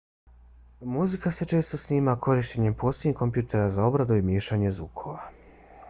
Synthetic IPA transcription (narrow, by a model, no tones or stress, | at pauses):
muzikase̞t͡ʃe̞ːst̪o̞sniːmakʰo̞ɾiʃt͡ɕe̞ɲe̞mpo̞ːseɲiko̞mpjuːt̪ʰe̞ɾazao̞bɾad̪uimjeːʃaɲezʋuːkʰo̞ʋa